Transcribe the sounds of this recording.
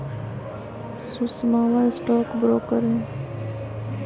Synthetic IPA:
sʊsmaːʋaɪsʈɔːkbɾoːkəɾɦɛ̃ː

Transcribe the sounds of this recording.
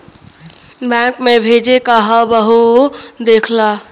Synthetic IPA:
bãkmebʱed͡ʒekəɦəbəɦud̪ekʰla

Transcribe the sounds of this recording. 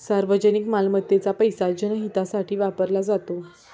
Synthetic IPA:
saɾʋəd͡ʑənikmalmət̪ːet͡sapəjsad͡ʑənəɦit̪asaʈʰiːʋapəɾlad͡zat̪o

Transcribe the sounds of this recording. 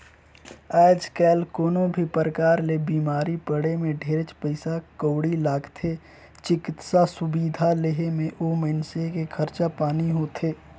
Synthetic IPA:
ɛːd͡ʒkɛːlkoːnõbʱipəɾəkaːɾlebiːmaːɾipəɽemẽɖʱeːɾət͡ʃpəɪsakoːɽilaːɡt̪ʰe | t͡ʃɪkɪt̪sasʊbiːd̪ʱaleɦemẽʔoːmənsekekʰəɾt͡ʃapaːniɦoːt̪ʰeː

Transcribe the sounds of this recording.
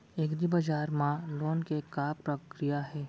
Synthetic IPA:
eːkd̪ibɐd͡ʒaːɾmãloːnkekaːpɾəkɾijaɦɛː

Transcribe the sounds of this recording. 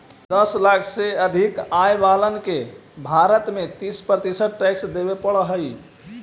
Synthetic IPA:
d̪əslakʰseəd̪ʱikajbalənkebʱaɾət̪met̪ispɾət̪isəʈʈɛksd̪ebepəɭɦəj

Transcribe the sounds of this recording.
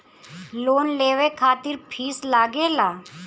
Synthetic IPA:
loːnleːʋekʰaːt̪ɪɾpʰiːslaːɡeːlaː

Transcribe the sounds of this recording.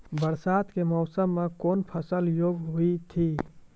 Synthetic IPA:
bəɾsaːt̪kemɔʊsəmːekoːnpʰəsəljoːɡɦuit̪ʰi

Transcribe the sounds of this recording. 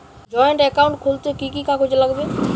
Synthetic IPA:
d͡ʒɔeɳʈɛkaũɳʈkʰult̪ekikikakod͡ʒelaɡbe

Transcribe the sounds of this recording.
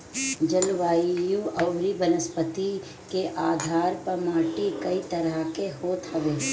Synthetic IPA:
d͡ʒəlʋaːjũɐʋɾibənəspət̪i | keʔaːd̪ʱaːɾpəɾmaːʈikɐit̪ɐɾakeɦoːt̪ɦɐʋeː

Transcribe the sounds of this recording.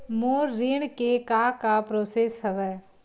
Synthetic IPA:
moːɾːɪɳkekaːkapɾoːseːsɦəʋɛː

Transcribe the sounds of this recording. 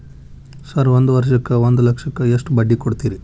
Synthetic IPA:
sɐɾʋond̪uʋɐɾʃɐkːɐʋond̪ulɐkʂɐkːɐeʂʈbɐɖːikoɽt̪iːɾi

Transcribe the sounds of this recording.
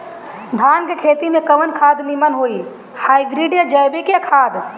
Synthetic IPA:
d̪ʱaːnkekʰeːt̪imẽkəʋənkʰaːd̪nimənɦoːi | haːibɾiɖijad͡ʒəjbekjakʰaːd̪

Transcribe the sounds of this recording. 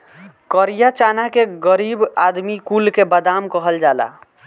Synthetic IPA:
kəɾijat͡ʃanakeɡəɾibad̪mikulkebəd̪amkəɦəld͡ʒaːla̰

